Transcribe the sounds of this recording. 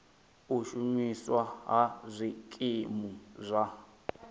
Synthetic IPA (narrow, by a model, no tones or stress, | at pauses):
uʃuɲiswaɦazʷikʼimuzʷa